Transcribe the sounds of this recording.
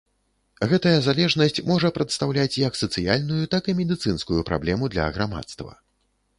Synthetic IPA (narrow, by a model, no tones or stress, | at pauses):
ɣɛt̪ɐjɐzalʲɛʐnɐsʲt͡sʲmɔʐɐpɾɐt̪st̪awlʲat͡sʲjɐksɐt̪sɨjalʲnujut̪akɨmʲɛd̪ɨt̪sɨnskujupɾa̰blʲɛmud̪lʲɐ̰ɣɾama̰t̪st̪vɐ̰